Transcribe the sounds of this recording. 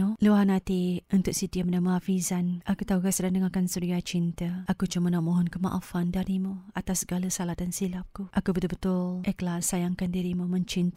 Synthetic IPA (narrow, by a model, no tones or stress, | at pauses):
uluwaɦanat̪iunt̪ʊʔsidiəmənaməafizanakut̪auɡasədandəŋakansuɾiat͡ʃint̪aʔakut͡ʃumənamoɦɔnkəma̰ʔafandaɾimuat̪asːəɡaləsalat̪ansilap̚kuʔakubət̪ʊlbət̪ʊlʔɛklasajaŋkandiɾimuməɲt͡ʃint̪a